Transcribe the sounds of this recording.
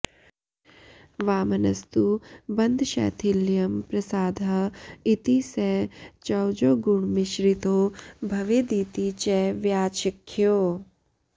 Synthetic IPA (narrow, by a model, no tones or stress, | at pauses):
ʋaːmɐnɐst̪ubɐnd̪ʱʃɛ̰ːt̪ʰɪlːijɐmpɾɐsaːd̪ʱɐɪt̪iset͡ʃɐwd͡ʒoːɡuɳmɪʃɾɪt̪oːbʱɐʋeːd̪iːt̪it͡ʃɛʋjaːʃɪkʰːjoː